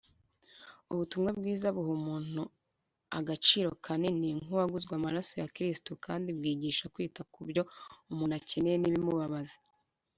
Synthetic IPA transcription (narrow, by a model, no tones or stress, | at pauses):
uβutumŋab̚ɡiːzaβuɦumuːn̥u | aɡat͡ʃiːɾo̞kʰaniniŋuaɡuzɡwamaɾasojakɾistukaːndib̚ɡiːɟiːʃakwiːtakubjo̞umuːnace̞nejeniβimuβaβazi̥